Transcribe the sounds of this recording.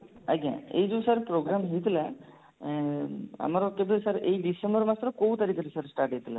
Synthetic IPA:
a̰ɡã̰ḛjd͡ʒusaɾpɾoɡɾamɦejt̪ila | a̰maɾɔkebesaɾejɖisembɔɾmat̪ɾɔkowt̪aɾiːkaɾisəɾsʈaɾʈɦejt̪ila̰

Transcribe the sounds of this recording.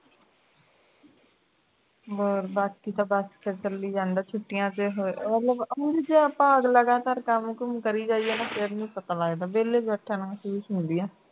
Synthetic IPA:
oːɾbaːt̪kiːt̪ãːbaskəɾt͡ʃəlːiːd͡ʒãːnd̪aːt͡ʃʰʊʈːɪjãːt̪eːɦomət̪ləbəd͡ʒid͡ʒeːaːpãːəɡləɡaːt̪aːɾkəmkəmkəɾiːd͡ʒaːiɛːnaːfɪɾnĩːpət̪aːlaːeːd̪aːbeːleːd͡ʒəʈʰːãːnũːməsuːsɦʊnd̪iːɛ̃ː

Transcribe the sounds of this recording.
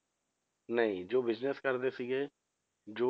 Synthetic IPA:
nəĩːd͡ʒoːbɪzneskəɾd̪eːsɪɡeː | d͡ʒoː

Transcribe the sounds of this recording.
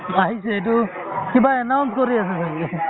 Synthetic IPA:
aɦiseetu | kibaɛnawnskɔɾiasɛsa

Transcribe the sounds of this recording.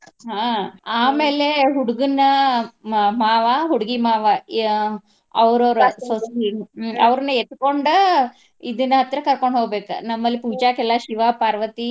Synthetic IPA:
ɦaːaːmeːle̞ɦuɽuɡunːɐ | maːʋɐɦuɽuɡimaːʋɐ | ɐʋɾoɾusosiɐʋɾɐnuet̪ːuko̞ɳɖu | id̪inːɐɦɐt̪ːɾɐkɐɾkoɳɖɦoːɡbeːkɐ̰nɐmːɐlːipuːd͡ʒaːkɛlːɐʃiʋaːpaːɾʋɐt̪i

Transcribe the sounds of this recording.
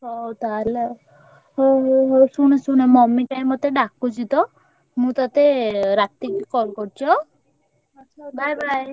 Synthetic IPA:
sɔt̪al | ɦosuɽ̃esuñemɔmikaj̃mɔt̪eɖakːut͡ʃʰit̪ɔ | mũt̪ɔt̪eɾat̪ikikɔlkɔɾt͡ʃʰɔ | ʌtːʃʰabʱajbʱaj

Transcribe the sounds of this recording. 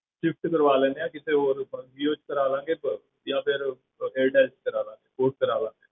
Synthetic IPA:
ʃɪfʰʈ̪kəɾʋaːleːneãːkɪt̪ʰẽːoːɾʋioːt͡ʃkəɾaːlãːŋɡeː | jãːpʰɪɾ | eːɾʈɛːlt͡ʃkəɾaːlãːŋɡeːkoːʈ̚kəɾaːlãːŋɡeː

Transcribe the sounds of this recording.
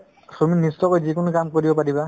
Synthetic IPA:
soministɔkojzikʊnʊkamkoɹibɔpaɹiba

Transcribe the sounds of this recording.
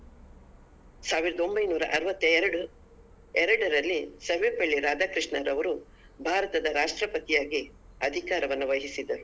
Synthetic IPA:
saːʋiɾɐd̪o̞mbɐjnuːɾɐ̰ʔɐɾʋɐt̪ːɐɛɾɐɽu | ɛɾɐɽɐɾɐlːisɐɾʋepɐɭːiɾaːd͡ʒ̪aːkɾiʂɳɐɾɐʋɐɾu | bʱaːɾɐt̪ɐd̪ɐɾaːʂʈɾɐpɐt̪ijaːɡi | ɐd̪ʱikaːɾɐʋɐnːuʋɐɦisid̪ɐɾu

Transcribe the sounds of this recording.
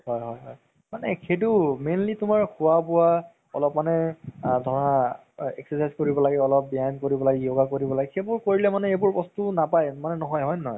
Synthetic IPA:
ɦɔjɦɔjɦɔj | manɛkʰedumenlitʊmaɹkʰʊwabʊwa | ɔ̰lɔpmanɛdʱɔɹɔa | ɛ̰ksɛsajzkoɹibɔlaɡɛɔlɔp̚bjajnkoɹibɔlaɡɛjoɡakoɹibɔlaɡɛkʰebʊɹkoɹilɛmanɛebʊɹbɔstunapajmanɛnɔɦɔjɦɔjnɔj

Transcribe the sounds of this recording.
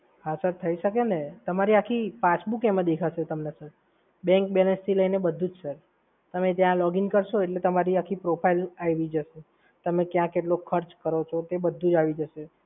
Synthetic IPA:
ɦasəɾt̪ʰəiʃəkenet̪əmaɾiakʰipasbukɛmə̃d̪ekʰaʃet̪əmnesəɾ | bɛ̃ŋk̚bɛlənst̪ʰiləinebəd̪ʱːũd͡ʒsəɾ | t̪əmet̪jãlɔɡiŋkəɾʃoeʈlet̪əmaɾiakʰipɾopʰailajʋid͡ʒəʃe | t̪əmekjãkeʈlokʰːəɾt͡ʃkəɾot͡ʃʰot̪ebəd̪ʱːũd͡ʒaʋid͡ʒəʃe

